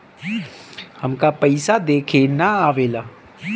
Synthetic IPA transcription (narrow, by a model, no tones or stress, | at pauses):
həmkaːpəɪsaːd̪eːkʰeːnaːaːʋeːlaː